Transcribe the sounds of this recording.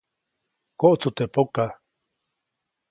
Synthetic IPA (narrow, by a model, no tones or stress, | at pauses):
koʔt͡sut̪eʔpoka